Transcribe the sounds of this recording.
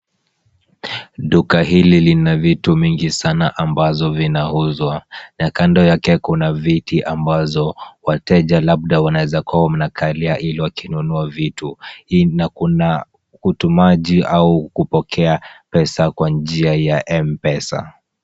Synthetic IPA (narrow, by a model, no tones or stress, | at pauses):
ɗukaɦililinavitumiŋɡisanaʔambazɔvinahuzwaɲakandɔjakɛkunavitiʔambazɔwatɛʄalab̚ɗawanawɛzakawam̩nakʰaliaʔiliwakinunuavituinakuna | kutumaʄiaukupɔkʰɛapɛsakwand͡ʒiajaʔɛmpɛsa̰